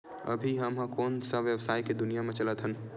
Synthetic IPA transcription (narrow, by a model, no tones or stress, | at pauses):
ə̰bʱiɦəmɦə̃koːnsəʋjəbsaːiked̪ʊnijamẽt͡ʃələt̪ɦən